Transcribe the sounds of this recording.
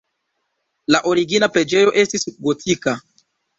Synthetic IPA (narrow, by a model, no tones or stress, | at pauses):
laʔo̞ɾiɡinapɾe̞d͡ʒe̞jo̞ʔe̞stisɡotʰika